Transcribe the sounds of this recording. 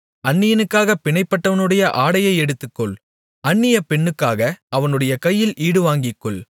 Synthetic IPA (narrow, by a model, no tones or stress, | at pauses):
ɐɳːɪjɐnɯkːaːɣɐpɪɳɐɪpːɐʈːɐʋɐnɯɽɐjɐʔaːɽɐjɐɪɛɽɯt̪ːɯkːɔɭ | ɐnːɪjɐpɛɳːɯkːaːɣɐɐʋɐnɯɽɐjɐkɐjːɪlʔiːɽɯʋaːŋɡɪkːɔɭ